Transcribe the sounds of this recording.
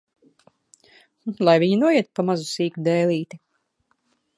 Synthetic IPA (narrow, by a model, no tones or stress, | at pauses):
lˠajviɲinuɔjiɛt̪̚pamazusiːkud̪ɛːlʲˠiːt̪i